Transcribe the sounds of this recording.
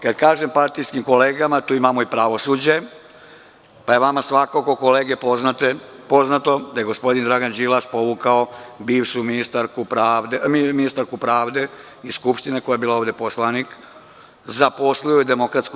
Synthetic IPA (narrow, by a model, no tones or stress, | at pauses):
kad̪kaːʒempaɾt̪ijskimkoleːɡamat̪uːimamoipɾaʋo̞suːd͡ʑe | paje̞ʋamasʋakokoko̞leːɡepoznat̪epo̞znat̪o̞d̪ajeɡo̞spo̞d̪ind̪ɾaɡand͡ʒilaspo̞ʋukaobiːʋʃuminist̪aɾkupɾad̪emiminist̪aɾkupɾaːʋd̪e̞ | iskupʃt̪ineko̞jaebiːlao̞ːʋd̪e̞poslanik | zapo̞slujoid̪emo̞kɾat̪sku